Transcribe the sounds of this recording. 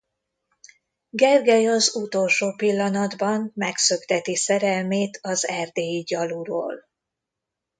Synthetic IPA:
ɡɛrɡɛjɒzut̪o̞lʃoːpilːɒnɒd̪bɒmmɛksø̞ɡt̪ɛt̪isɛɾɛlmeːt̪ʰɒzɛrd̪eːjiɟɒluɾo̰ːl

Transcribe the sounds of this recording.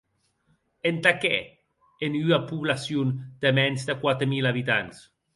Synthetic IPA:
ent̪akɛ̰ | enyapuβlasjund̪̥əmɛnzd̪əkwat̪ɾəmilaβ̞it̪ans

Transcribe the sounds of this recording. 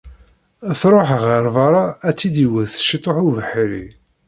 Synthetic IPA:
θɾˤoħʁəɾˤvɑɾˤɑæt͡sːid̪iwəðθʃit̪ˤːoħuvəħiɾḭ

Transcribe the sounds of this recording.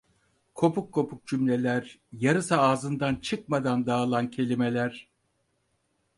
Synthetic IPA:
kʰo̞pʰukʰːo̞pʰuk̚d͡ʒymlʲelʲæɾjaɾɯsaːzɯnd̪ant͡ʃʰɯk̚mad̪and̪aːlˠancʰe̞lʲimelʲæɾ̥

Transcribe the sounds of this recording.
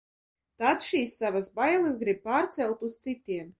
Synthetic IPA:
t̪ad̪ʃiːsːavasbajlˠɨs̬ɡɾib̚paːɾt̪sɛlˠt̪ust̪sit̪ʲiɛm

